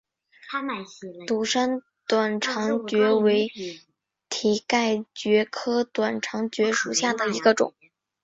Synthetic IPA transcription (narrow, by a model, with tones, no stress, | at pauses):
t̪u˨˩ʂa˥n | t̪wa˨˩nʈ͡ʂʰɑ˧˥ŋt͡ɕɥɛ˧˥we˧˥ɪ | t̪ʰi˨˩ka˥˩ɪt͡ɕɥɛ˧˥kʰɤ˥t̪wa˨˩nʈ͡ʂʰɑ˧˥ŋt͡ɕɥɛ˧˥ʂu˨˩ɕja˥˩d̪ə˩i˧˥ɡə˧ʈ͡ʂʊ̰˨˩˦ŋ